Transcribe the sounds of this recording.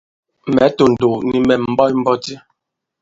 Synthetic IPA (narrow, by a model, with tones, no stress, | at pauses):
mɛ˨˦to˨n̩˨do˨ni˨mɛ˨m̩˦bɔ˦jm̩˦bɔ˦ti˦